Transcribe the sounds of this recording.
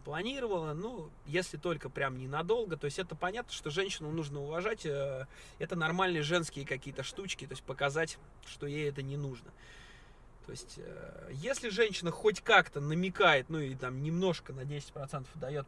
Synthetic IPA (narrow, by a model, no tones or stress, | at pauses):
plˠɐnʲiɾəvəlˠənu | jesʲlʲɪt̪o̞lʲkəpɾʲamnʲɪnɐd̪o̞lˠɡət̪oɪsʲɛt̪əpɐnʲat̪nəʂt̪o̞ʐɛnʲɕɪnʊnuʐnəʊvɐʐatʲə | ɛt̪ənɐrmalʲnɨjəʐɛnskʲɪjəkɐkʲijət̪əʂt̪ut͡ɕkʲɪt̪o̞ɪsʲt̚ʲpəkɐzatʲ | ʂt̪o̞jejɛt̪ənʲɪnuʐnə̰ | t̪o̞̰ɪsʲtʲə̰jesʲlʲɪʐɛnʲɕːɪnəxo̞tʲkakt̪ənəmʲɪkajɪt̪nuɪɪt̪amnʲɪmno̞ʂkənɐdʲesʲɪ̥tʲpɾɐt̪sɛnt̪ə̥fd̪ɐjo̞t̪